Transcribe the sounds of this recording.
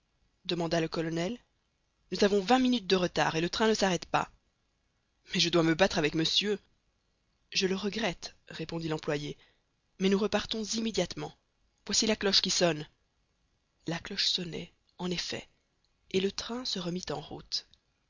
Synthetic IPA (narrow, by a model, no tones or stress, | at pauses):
d̪əmɑ̃d̪aləkɔlɔnɛl | nuzavɔ̃vɛ̃minyt̪̚d̪əʁət̪a̰ːʁelət̪χɛ̃nəsaʁɛt̪pa̰ | mɛʒəd̪waməbat̪χavɛkməsjø | ʒələʁəɡʁɛt̪ʁepɔ̃d̪ilɑ̃plwaje | mɛnuʁəpaʁt̪ɔ̃zimed̪jat̪mɑ̃ | v̥wasilaklɔʃkʲisɔn | laklɔʃsɔnɛ̰ | ɑ̃nefɛ̰ | elət̪χɛ̃səʁəmit̪ɑ̰̃ʁṵt̪